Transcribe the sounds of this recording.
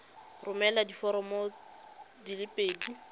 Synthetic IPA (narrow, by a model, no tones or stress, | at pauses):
rʊmɛladifɔɾɔmɔ | dilɪpʼeːdi